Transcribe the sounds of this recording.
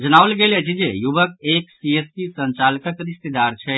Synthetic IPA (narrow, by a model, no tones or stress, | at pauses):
d͡ʒənaʋəlɡelet͡ʃʰid͡ʒejubəkeksiespisə̃nt͡ʃalkəkɾist̪ed̪aɾt͡ʃʰɛ